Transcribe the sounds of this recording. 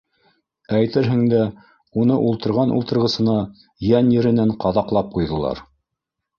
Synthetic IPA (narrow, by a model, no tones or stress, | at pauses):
æjt̪ɘɾɦɘ̆ŋd̪æ | unɤʔulˠt̪ɤ̆ɾʁɑnʔṵlˠt̪ɤ̆ɾʁɤ̆sɤ̆nɑ | jænjɘ̆ɾɘ̆næɴqɑðɑqlˠɑp̚qujðɤ̆lˠɑ̰ɾ